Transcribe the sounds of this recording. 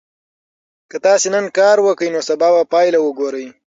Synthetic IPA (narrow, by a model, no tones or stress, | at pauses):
kət̪ɑsenənkɑɾwəkəjnosabɑbapɑjlawəɡoɾəj